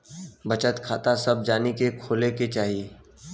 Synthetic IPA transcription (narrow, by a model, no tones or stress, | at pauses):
bɐt͡ʃət̪kʰaːt̪asɐb̚d͡ʒaːnikekʰoːleket͡ʃaːɦijeː